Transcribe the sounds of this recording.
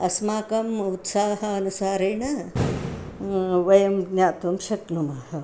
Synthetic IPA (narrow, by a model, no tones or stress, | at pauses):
ɐsmaːkɐmut̪saːɦɐɐnusaːɾeːɳɐ | ʋɐjɐmɡnjaːt̪umʃɐknumɐhɐ